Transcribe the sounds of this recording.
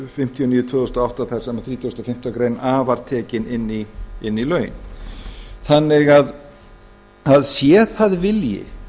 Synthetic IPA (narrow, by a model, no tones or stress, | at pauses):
fɪm̥t̪ʰiɔniːjʏt̪ʰvʏːðθɔst̪ɔawht̪aθaj̥sɛmaθɾiːt̪ʰʏːst̪ɔfɪm̥t̪akɾejnaːvaɾ̥t̪ʰɛːcɪnɪnːiɪnːilœːɥn | θanːɪɣað | aðsjɛːθaðvɪljɪ̰